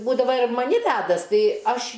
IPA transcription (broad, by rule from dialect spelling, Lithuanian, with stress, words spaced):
ˈbuːdɐʋɐ ɪr mɐˈnʲɪ ˈʋʲædɐs ˈtɐɪ ˈɐʃ